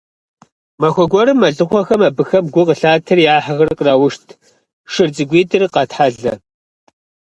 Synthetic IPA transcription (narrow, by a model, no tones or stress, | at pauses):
mɐxʷɔɡʷɔɾɨmːɐɮɨχʷɔxɐmɐbɨxɐmɡʷʊqəɬaːtʰɨrjaːħaɣɐrqrawʊʃtʰ | ʂɨrd͡zɨɡʷiːtʰɨrqɐtħaɮɐ